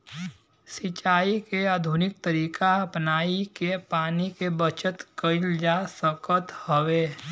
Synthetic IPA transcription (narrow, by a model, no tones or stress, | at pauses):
sɪt͡ʃaːikeaːd̪ʱʊnɪk̚t̪əɾiːkaɐpnaːikepaːnikebət͡ʃət̪kəɪld͡ʒasəkət̪həweː